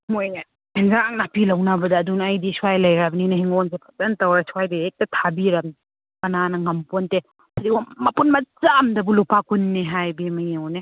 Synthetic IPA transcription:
moj | pʰenzaŋnapʰilɐwnabɐdɐːdunːjdisuwajlɐjɾabninɐhiŋonsepʰɐ̥tɐntɐwɾasuwajdiɾek̚tɐtʰabiɾɐm | kɐnanɐŋɐmponte | sʰɾiwomɐpunmɐt͡ʃamdɐbulupakʰunːeɦajbimɐjeɔne

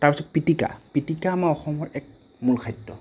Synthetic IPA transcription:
taɹpisɔt̚pitika̰pitikaːmaɔxɔmɔɹɛk̚ | mulkʰajtːɔ̰

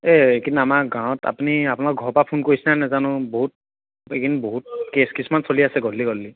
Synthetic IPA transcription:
ɛekinamakɡãwɔ̃ta̰puniapʊnak̚ɡʱɔɹpapʰunkoɹisinanɛzanʊ̃boɦut̚ | ekinboɦut̚keskismansoliasɛɡɔlːiɡɔlːi

